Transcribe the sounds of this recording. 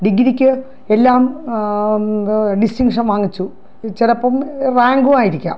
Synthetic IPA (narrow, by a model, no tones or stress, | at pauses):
ɖiɡiɾikʲːɨ | elːaːm | ɖistiŋɡʂɐnʋaːŋːit͡ɕːu | t͡ɕelɐpːɐmraːŋɡumaːjiɾikʲːa̰ːm